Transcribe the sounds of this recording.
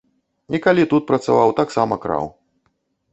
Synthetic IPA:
ikalʲit̪ut̪̚pɾɐt̪sa̰vawt̪aksamɐkɾa̰w

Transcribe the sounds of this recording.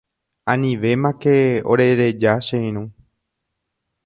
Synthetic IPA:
ãnĩʋe̞mãkeo̰ɾe̞ɾe̞d͡ʒaʃeĩɾ̃ũ

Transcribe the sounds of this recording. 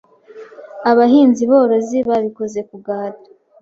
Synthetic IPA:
aβaɦiːnziβoːɾo̞ziβaβikoze̞kuɡaːtḁ

